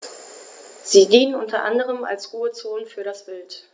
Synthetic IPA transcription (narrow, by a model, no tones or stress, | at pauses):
z̥iːdiːnənʔʊntɐʔa̰ndəʁ̞əma̰lsʁuːət͡soːnfyːɐɾasb̥ɪlt